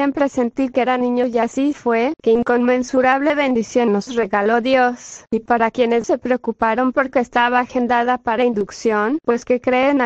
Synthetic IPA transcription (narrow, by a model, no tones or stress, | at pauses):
empɾe̞se̞nt̪iɾkeeɾanĩɲo̞ʝasifwe̞keiŋko̞nmẽ̞nsuɾaβle̞βe̞nd̪isjo̞nːosre̞ɣalo̞ðjo̞sipaɾakje̞ne̞sse̞pɾeokupaɾo̞mpo̞ɾke̞ːst̪aβaːxend̪aðapaɾaind̪uksjo̞npeske̞kɾe̞ːna